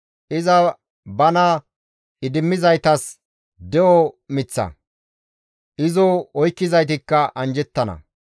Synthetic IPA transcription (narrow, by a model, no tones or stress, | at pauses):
ʔɪzɐ | bɐnɐ | ɪd̪ɪmːɪzɐjt̪ɐs | d̪ɛʔɔmɪt͡sːɐ̰ | ʔɪzɔɔjkːɪzɐjt̪ɪkːɐʔɐnd͡ʒɛt̪ːɐnɐ̰